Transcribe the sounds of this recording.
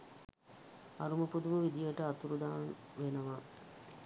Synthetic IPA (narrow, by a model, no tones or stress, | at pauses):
ɐɾumɐpud̪umɐʋid̪ijɐʈəat̪uɾud̪aːnʋenɐʋa